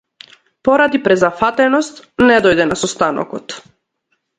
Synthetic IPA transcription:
pɔɾad̪ipɾɛzafat̪ɛnɔst̪nɛd̪ɔjd̪ɛnasɔst̪anɔ̰kɔt̪

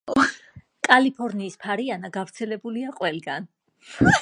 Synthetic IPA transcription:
kʼalipʰɔɾniːspʰaɾianaɡavɾt̪sʰɛlɛbuliaqʼwɛlɡan

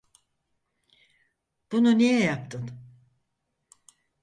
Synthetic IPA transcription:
b̥ununijɛjap̚t̪ʰɯn

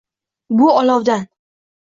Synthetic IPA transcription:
bʊɒlɒwd̪an

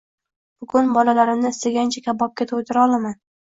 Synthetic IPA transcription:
b̥ʊɡʊnbɒlalaɾɪmnɪɪst̪aɡʲant͡ʃʰakʲʰabɒp̚kʲet̪ʰot̪ʰɪɾaɒlˠaman

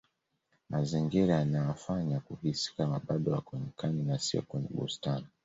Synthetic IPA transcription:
maziŋɡiɾaanajafaɲakuhisi̥kamaɓaɗɔakɛɲɛkaninasiɔ̰kwɛɲɛ̰ɓṵstani

